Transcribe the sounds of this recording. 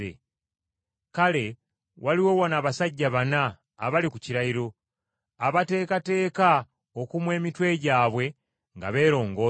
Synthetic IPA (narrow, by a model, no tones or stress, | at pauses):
ḛ | kale̞ | wʔaliwo̞wonaːβasaɟːaβanaː | βalikuciɾaiɾo̞ | aβate̞ːkate̞ːka | okumwe̞ːmitwe̞ɟaːβwe̞ | ŋɡa̰βe̞ːɾo̞ːŋɡo